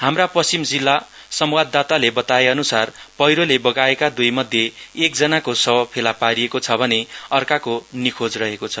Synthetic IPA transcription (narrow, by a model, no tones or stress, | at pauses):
hamrapʌsimd͡zilːa | sʌmwad̪ːat̪alebʌt̪aeʌnusarpʌjɾolebʌɡaekad̪ujmʌd̪ʱjeːk̚d͡zʌnakosʌbʌpʰelapaɾiekot͡sʰʌbʱʌneʌrkakonikʰod͡zrʌɦekot͡sʰʌ